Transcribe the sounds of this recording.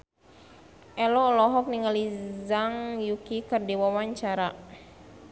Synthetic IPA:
ʔɛlɔːlɔɦɔk̚niŋalizaŋjukikərdiwawaɲt͡ʃaɾa

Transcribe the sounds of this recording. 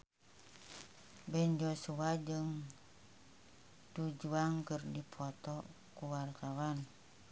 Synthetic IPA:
bɛnd͡ʒɔsuad͡ʒɨŋ | dud͡ʒuaŋkɨrdipʰɔt̪ɔ | kuwart̪awan

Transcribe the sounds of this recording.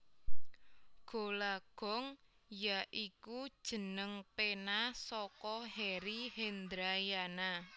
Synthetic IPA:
ɡ̥o̤laɡ̥ɔ̤ŋ | jaʔikud̥ʒ̥ə̤nəŋpenasɔkɔhɛɾihend̪ɾajana

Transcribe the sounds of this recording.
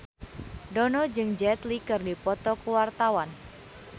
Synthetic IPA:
dɔnɔd͡ʒɨŋd͡ʒɛt̪likɨrdipɔt̪ɔkuwart̪awan

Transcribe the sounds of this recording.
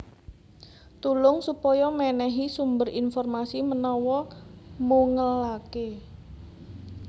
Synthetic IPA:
t̪ulʊŋsupɔjɔmɛnɛɦisumbərinfɔrmasimənɔwɔmuŋəlake

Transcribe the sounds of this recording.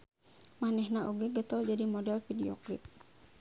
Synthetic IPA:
manɛhnaʔuɡɛɡət̪ɔld͡ʒadimɔdɛlfidiɔ̰klḭp̪̚

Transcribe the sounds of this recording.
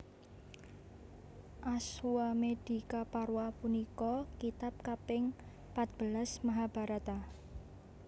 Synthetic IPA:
ʔaswamed̥i̤kapaɾwapunikɔkit̪ap̚kapɪŋ | pat̪̚b̥əlasmaɦab̥a̤ɾat̪a

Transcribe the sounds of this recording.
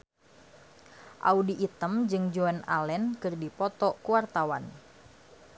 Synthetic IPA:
ʔa̰udiʔːt̪əmd͡ʒɨŋd͡ʒuɛna̰lɛnkɨrdipɔt̪ɔkuwart̪awan

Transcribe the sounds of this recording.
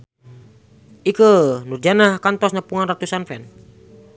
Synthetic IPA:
ʔikənurd͡ʒanahkant̪ɔsɲəpuŋanrat̪usanfɛn

